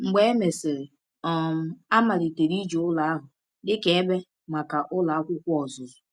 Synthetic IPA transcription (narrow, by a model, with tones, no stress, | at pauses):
ŋ͡m̩˨ɡ͡be˦e˦me˨sɪ˨ɾ | ɔ˨m̩˨a˦ma˨ɾi˨te˨ɾi˦d͡ʒo˨ʊ˦la˨a˦ɦʊ˨ | dɪ˦ke˨˦e˦be˦ | ma˨ka˨ʔʊ˦la˨a˦kʷʊ˦kʷɔ˨zʊ˨zʊ˨